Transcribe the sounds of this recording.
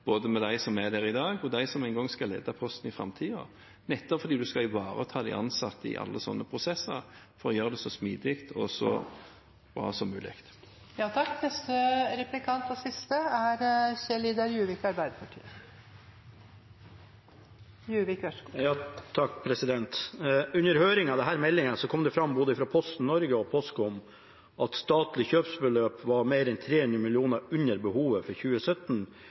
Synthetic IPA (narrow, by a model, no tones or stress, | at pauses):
b̥oːd̪əmɛd̪æɪsɔmæd̪ɛʁɪd̪ɑːɡɔd̪æɪsɔmæɪnɡɔŋːskɑlɛ̰ːd̪ɑpʰɔst̪n̩ɪfɾɑ̰mt̪ʰiːɑ̰ | nɛt̪ːɔfɔɾd̪iːd̪ʉskɑɪʋɑːɾət̪ʰɑːd̪æɪʔɑ̰nsɑt̪ːɪ̰ʔɑ̰lːəsɔ̰nːəpʰʁʊsɛsəɾ | fɔɾɔjøːɾʁəd̪ɛsɔsmiːd̪ɪkt̪ʰɔ̰sɔ̰ | b̥ɾɑ̰ːsɔmːʉːlɪ̰kt̪ | jɑːt̪ʰɑkːnɛst̪əɾɛplɪkʰɑnt̪ɔsɪst̪əæɾçeliːd̪ɑɾjʉːʋɪkɑɾbæɪd̪əpʰɑʈʰḭːə | jʉːʋɪkʋɛʂkɔjɑːt̪ʰɑkːpʰɾɛsɪd̪ɛnt̪ʉnːəɾhøːɾɪŋɑd̪ɛɦæːɾmɛlːɪŋəsɔkʰɔmd̪ɛfɾɑmːboːd̪əɪfɾɑpʰɔst̪n̩nɔɾɡəɔpʰɔskɔm | ʔɑt̪st̪ɑːt̪lɪçøːpsbəløːpʋɑɾmeːɾɛnt̪ʰɾeːhʉnd̪ɾəmɪlɪuːnəɾʉnːəɾbəhuːʋəfɔɾçʉːəsœt̪n